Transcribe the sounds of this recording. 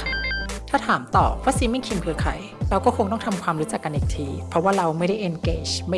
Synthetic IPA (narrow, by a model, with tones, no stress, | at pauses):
t̪ʰaː˥˩t̪ʰaː˩˦mt̪ɔː˨˩waː˦˥siː˧˥ma˥˩jkʰi˧mkʰɯː˧˥kʰa̰˨˩˦j | ɾa˧wkɔː˥˩kʰo˧ŋt̪ɔ˥˩ŋt̪ʰa˧mkʰwaː˧mɾuː˦˥t͡ɕa˨˩kːa˧nʔiː˨˩k̚t̪ʰiː˧pʰɾɔ˦˥waː˥˩ɾa˧wma˥˩jda˥˩jʔe˧nkeː˧t͡ɕma˥˩